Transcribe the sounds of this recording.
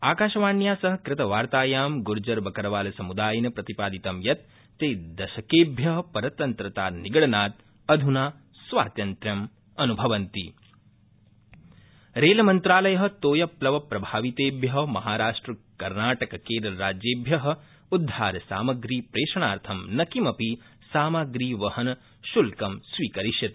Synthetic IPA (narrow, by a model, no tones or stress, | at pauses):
aːkaːʃɐʋaːɳjaːsɐɦɐ̆kɾɪt̪ɐʋaːɾt̪aːjaːmɡuɾd͡ʒɐɾbɐkɐɾɐʋaːlɐsɐmud̪aːjɐnɐpɾɐt̪ipaːd̪it̪ɐmjɐt̪̚ː | eːd̪ɐʃɐkeːbʱjɐɦɐpɐɾɐt̪ɐnt̪ɾɐt̪aːniɡɐɽɐnaːt̪̚ | ɐd̪ʱunaː | sʋa̰ːt̪jɐnt̪ɾjɐm | ɐnubʱɐʋɐnt̪i | ɾeːlɐmɐnt̪ɾaːlɐjɐɦɐ̆t̪oːjɐplɐʋɐpɾɐbʱaːʋit̪eːbʱjɐɦɐmɐɦaːɾaːʂʈɾɐkɐɾnaːʈɐkɐkeːd̪ɐlɐɾaːd͡ʒjeːbʱjɐɦɐ̆ | ud̪ʱːaːɾɐsa̰ːmɐɡɾiːpɾeːʂɐɳaːɾt̪ʰɐmnɐkimɐpi | saːmɐɡɾiːʋɐhɐn | ʃulkɐmsʋiːkɐɾiʃjɐt̪